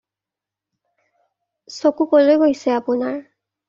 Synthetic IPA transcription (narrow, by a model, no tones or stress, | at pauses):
sokukolojɡojsɛapunaɹ